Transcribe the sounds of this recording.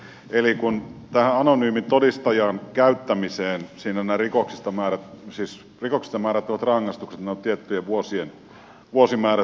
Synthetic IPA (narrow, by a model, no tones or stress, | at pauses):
elikunt̪æhæɑnonyːmint̪odist̪ɑjɑːnkæyt̪ːæmiseːnsiːnænærikoksist̪ɑmæːɾæt̪siːs | rikoksi̥st̪ɑmæːɾæt̪ːoʋɑt̪rɑŋːɑst̪ukset̪nt̪t̪iet̪ːyjeʋuosien | ʋuosimæːræ